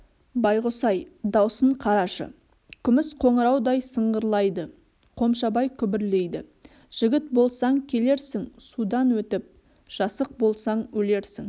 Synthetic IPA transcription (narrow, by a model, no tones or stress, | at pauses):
bɑjʁosɑjd̪ɑwsəɴqʰɑɾɑʃə̰ | kʲʰʏmɪsqʰo̞ɴəɾɑwd̪ɑjsəɴʁəɾlˠɑjd̪ə | qʰo̞mʃɑbɑjkʲʰʏbɪɾle̞jd̪ɪ | ʒ̥ɪɡʲɪt̪bo̞lˠsɑŋkʲʰe̞le̞ɾsɪŋsud̪ɑnwɵt̪ɪp̚ | ʒ̥ɑsəq̚bo̞lˠsɑɴwɵle̞ɾsɪŋ